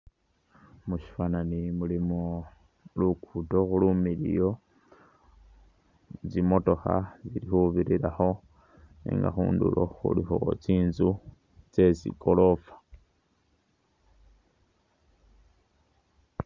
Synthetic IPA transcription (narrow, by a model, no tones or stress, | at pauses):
muʃi̥fananimulimo | lukʰutoxulumilḭjo̞ | zimo̞to̞xa̰ziɾixuβiɾiɾaxo̞ | nḭːŋɡa̰xṵːndṵlo̞̰xṵlixo̞̰t͡siːnzu | t͡se̞sḭkʰo̞lo̞fḁ